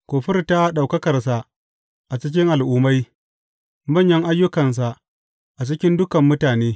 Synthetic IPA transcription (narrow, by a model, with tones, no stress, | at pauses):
kʷoː˨ɸɪ˦rta˦ɗa˨wkɐ˦kɐ˨rsa˨ʔ | ʔa˨t͡ʃɪ˦k̬ʲɪ˦ŋʔa˨lʔuː˦ma˦j | mɐ˦˨ɲjɐ˦ŋʔa˦jːʊ˦kɐ˨ns̬a˨ʔ | ʔa˨t͡ʃɪ˦kʲɪ˦ndʊ˦kɐ˨mːʊ˦taː˨neː˦